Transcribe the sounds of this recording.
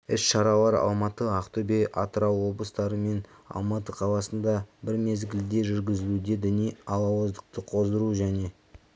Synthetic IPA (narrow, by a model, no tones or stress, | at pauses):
ɪsʃɑɾɑlˠɑɾɑ̰lˠmɑt̪əɑqt̪ʊbejʔɑ̰t̪əɾɑwwo̞blˠəst̪ɑɾəme̞nɑ̰lˠmɑt̪əqʰɑlˠɑsənd̪ɑbɪɾme̞zɡʲɪld̪e̞ʒʏɾɡʲɪzɪlud̪e̞d̪ɪnijɑlˠɑwəzd̪əq̚t̪əqʰo̞zd̪əɾuʒæne̞